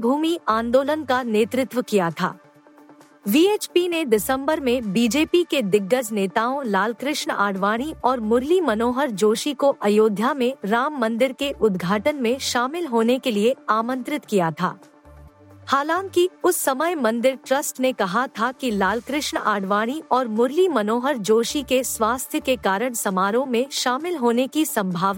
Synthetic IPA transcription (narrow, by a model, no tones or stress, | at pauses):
bʱuːmiʔãːnd̪oːlənkaneːt̪ɾɪt̪ʋəkijat̪ʰa̰ː | ʋiːeːt͡ʃpinedɪsə̃mbəɾmẽbiːd͡ʒeːpiked̪ɪɡːəsneːt̪aːõlaːlkɾɪʃɳa̰ːɽʋaːɽ̃iɔːɾmʊɾlimɐnoːɦəɾd͡ʒoːʃikoʔɐjoːd̪ʱjamẽɾaːmːɐ̃nd̪ɪɾkeʔʊd̪ɡʱaːʈənmẽʃaːmɪlɦoːnekelieaːmə̃nt̪ɾɪt̪kijat̪ʰa̰ː | haːlãːŋkiʊsːɐməjmɐ̃nd̪ɪɾʈɾɐsʈnekɐɦat̪ʰakilaːlkɾɪʃɳaːɽʋaːɽ̃iɔːɾmʊɾlimɐnoːɦəɾd͡ʒoːʃikeswaːst̪ʰjəkekaːɾəɽ̃sɐmaːɾõmẽʃaːmɪlɦoːnekisɐ̃mbʱaːʋa